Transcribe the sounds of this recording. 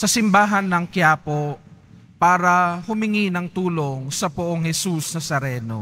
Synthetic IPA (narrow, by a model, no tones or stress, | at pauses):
sɐsɪmbaːɦɐnːɐŋkjaːpo | paːɾɐhʊmɪŋinɐŋt̪uːloŋsɐpʊʔoŋhɛsusnɐsɐɾɛːno̰